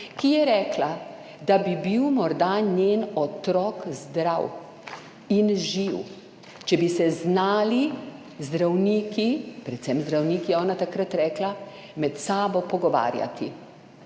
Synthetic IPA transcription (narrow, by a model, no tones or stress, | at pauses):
kijɛɾɛːkla | d̪abibiwmɔɾd̪aɲeːnɔt̪ɾɔːkzd̪ɾaw | inʒiw | t͡ʃɛbisɛznaːli | zd̪ɾawniːkipɾɛt̪sɛmzd̪ɾawniːkijɛɔːnat̪akɾat̪ɾɛːkla | mɛt̪saːbɔpɔɡɔʋa̰ːɾja̰t̪ḭ